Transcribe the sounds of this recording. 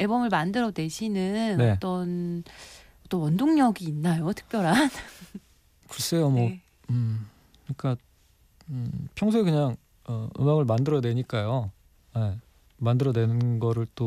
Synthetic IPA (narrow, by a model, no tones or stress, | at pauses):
e̞bʌmɯɭmandɯɾʌdwe̞ɕʰinɯnnʌe̞t͈ʌn | ʌt͈ʌnwʌndoŋɲʌɡiːnːajotʰɯ̥k̚p͈jʌɾan | kɯɾʌs͈e̞jomwʌ | ɯ | ik͈a | pʰjʌŋs̬ʰuikɯɲaŋ | ʌɯ̰maɡɯɭmandɯɾʌdwe̞ɲik͈ajo | je | mandɯɾʌdwe̞nɯnɡʌɾɯɭt͈o